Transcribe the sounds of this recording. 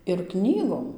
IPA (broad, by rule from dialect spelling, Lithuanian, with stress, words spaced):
ɪr ˈknʲiːɡoːm